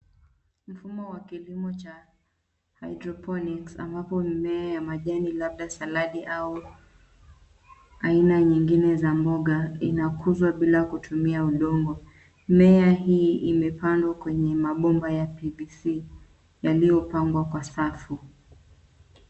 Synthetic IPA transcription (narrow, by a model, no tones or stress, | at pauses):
m̩fumɔwakilimɔt͡ʃa | hajdɾɔpʰɔniksa̰mbapɔmmɛajamaʄanilaɓ̚ɗasalaɗiʔau | ainaɲiŋɡinɛzambɔɠainakʰuzwaɓilakutʰumiauɗɔŋɡɔ | mɛaɦiːimɛpandwakwɛɲɛmaɓɔmbajapivisi | jalijɔpaŋɡwakwasafu